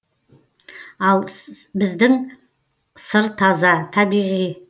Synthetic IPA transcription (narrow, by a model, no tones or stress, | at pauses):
alˠbɪzd̪ɪŋ | sɨɾt̪ʰazat̪ʰabiʁi